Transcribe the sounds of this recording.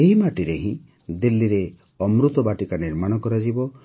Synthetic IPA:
eɦimaʈiɾeɦĩ | d̪ilːiɾe | ɔmɾut̪ɔbaʈikaniɾmaɽ̃ɔkɔɾad͡ʒibɔ

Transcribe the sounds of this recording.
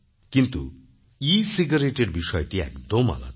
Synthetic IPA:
kint̪u | isiɡaɾeʈeɖbisɔjɔʈiɛ̰kd̪ɔma̰la̰

